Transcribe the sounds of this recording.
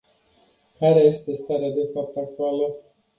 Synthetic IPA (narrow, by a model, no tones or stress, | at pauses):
kaɾeje̞st̪e̞st̪aɾead̪e̞fap̚t̪ak̚t̪ualə